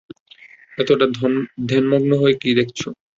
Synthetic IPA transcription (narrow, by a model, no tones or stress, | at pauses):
ɛt̪oʈad̪ʱenmoɡnoɦoekid̪ekʰt͡ɕʰo